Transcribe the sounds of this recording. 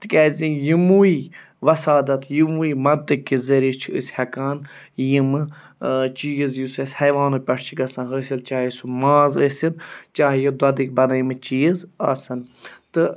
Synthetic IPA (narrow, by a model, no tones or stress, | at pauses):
t̪ɨkʲɛːzʲĩjimui | ʋɐsaːd̪ɐt̪ʰjimuimɐnt̪ɨkːizeɾit͡ʃʰiə̰sʲhɐkaːn | jimɨ | t͡ʃiːzjusesʲhɐjʋaːnupʲɐʈʰt͡ʃʰiɡɐsãːɦəsʲilt͡ʃaːɦisumaːzəsint͡ʃaːɦjɐd̪ɐd̪ik̚bɐnɐjimɨt͡ʃiːzaːsɐnt̪ɨ